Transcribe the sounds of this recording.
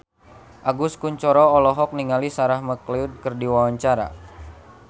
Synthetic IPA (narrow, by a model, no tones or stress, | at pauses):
ʔaɡuskuɲt͡ʃɔɾɔːlɔɦɔk̚niŋalisaɾahməkliut̪̚kərdiwawaɲt͡ʃaɾa̰